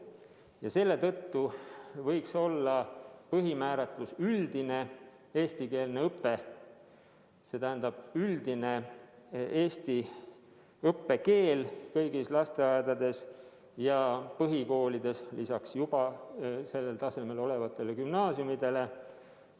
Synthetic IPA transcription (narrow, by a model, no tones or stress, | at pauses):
jɑse̞lːe̞t̪ɤt̪ːuvɤjkso̞lːɑpɤɦimæːɾɑt̪ˑlusyld̪̥ine̞ | e̞ːst̪ike̞ːlneɤpːe̞ | se̞t̪æɦːnd̪̥ɑb̥̚yld̪̥ine̞ | eːst̪i | ɤpːe̞ke̞ːlkɤjɡislɑst̪e̞ɑed̪̥ɑd̪e̞s | jɑpɤɦiko̞ːlid̪̥e̞slisɑksjub̥ɑse̞lːe̞lt̪ɑse̞me̞lo̞le̞vɑt̪ːˑe̞lekymnɑːsjumid̪̥e̞le̞